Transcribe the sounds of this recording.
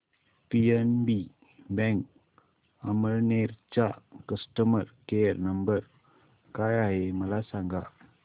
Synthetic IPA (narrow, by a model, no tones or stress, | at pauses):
piɛnbi | bɛŋk̚ | amərnert͡ʃaʔkəstəmərkernəmbər | kajaɦeməlasaŋɡaʔ